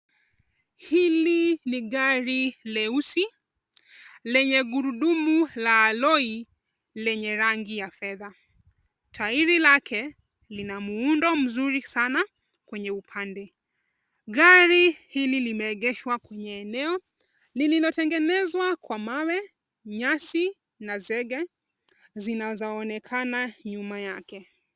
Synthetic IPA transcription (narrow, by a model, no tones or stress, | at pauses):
hiliniɠaɾilɛusi | lɛɲɛɡuɾuɗumulaːlɔi | lɛɲɛɾaŋɡijafɛða | tʰaiɾilakʰɛ | linamuundɔm̩zuɾisana | kwɛɲɛupʰandɛ | ɠaɾihililimɛːɠɛʃwakwɛɲɛːnɛɔ | lililɔtɛŋɡɛnɛzwakwamawɛ | ɲasi | nazɛɠɛ | zinazɔːnɛkʰanaɲumajakɛ